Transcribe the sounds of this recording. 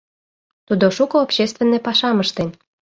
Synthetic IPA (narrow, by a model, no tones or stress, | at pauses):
t̪ud̪oʃukɤopɕest̪venːepɑʃɑməʃt̪en